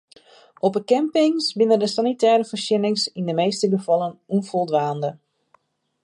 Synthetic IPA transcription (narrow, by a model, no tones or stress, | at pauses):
ɔpəkɛmpɪŋsbɪnəndəsanitʰɛːɾəfərsjɪnɪŋsindəmeːstəɡəfɔlˠənunfolˠdʋaːndə